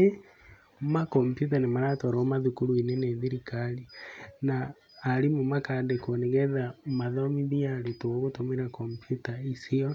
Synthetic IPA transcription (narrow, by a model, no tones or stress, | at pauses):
e | makɔmpjut̬anemaɾatoɾomaðukuɾuinɛneðiɾikalinaː | ɾimumakadekoneɣɛðamaðɔmiβiaɾitoɣotomeɾakompjutaisiɔ